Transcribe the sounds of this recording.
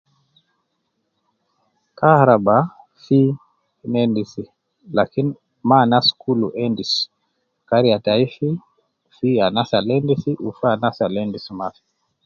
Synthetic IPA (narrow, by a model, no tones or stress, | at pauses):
kahɾaba | fi | nɛndisi | lakini | manaskuluʔɛndis | kaɾiataifi | fianasalɛndisiʔufaanasalɛndismaθi̥